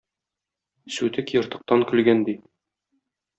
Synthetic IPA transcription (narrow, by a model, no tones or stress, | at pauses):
sʉt̪ɘkjŏɾt̪ɤ̆q̚t̪ɑŋkɵ̆lɡænd̪i